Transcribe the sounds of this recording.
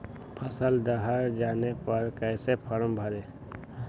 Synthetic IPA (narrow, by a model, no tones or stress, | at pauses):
pʰəsəld̪əɦəɾd͡ʒaːnepəɾkɛːsepʰəɾəmbʱəɾeː